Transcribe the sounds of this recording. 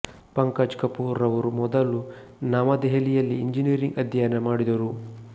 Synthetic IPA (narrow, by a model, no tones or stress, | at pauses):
pɐŋkad͡ʒkɐpuːɾɐʋɐɾumɔd̪ɐlu | namɐd̪ɛɦɐlijɐlːiːɲd͡ʒiniɾiŋɡɐd̪ʱjɐjɐnɐmaːɽid̪ɐɾu